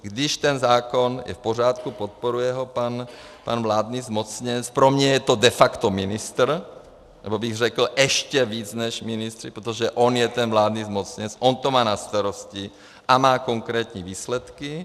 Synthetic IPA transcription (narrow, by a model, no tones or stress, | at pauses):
ɡd̪iʃt̪ɛnzaːkonjɛ̰fpor̝jaːt̪kupot̪̚poɾujɛɦɔpan | panvlaːd̪nizmot͡sɲɛt͡spɾomɲɛjɛt̪od̪ɛfakt̪ominist̪r | nɛ̰bobiɣrɛkl̩ʔɛʃcɛviːt͡snɛʃminist̪ɾipɾɛt̪ɔʒɛʔɔnjɛt̪ɛnvlaːd̪nizmot͡sɲɛt͡sʔɔnt̪omaːnast̪aɾosci | ʔamaːkoŋkɾɛːt̪ɲiʋiːslɛt̪ki